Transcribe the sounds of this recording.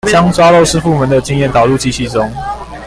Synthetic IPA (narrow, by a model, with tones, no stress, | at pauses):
t͡ɕjɑ˦ŋt͡swa˥lo˥˨ʊʂɻ̩˥fu˥˨mə˨˦nd̪ə˨t͡ɕi˥ŋjɛ˥˨nt̪ɑ˨˩lu˥˧t͡ɕi˥˧ɕi˥˨t͡sʊ˦ŋ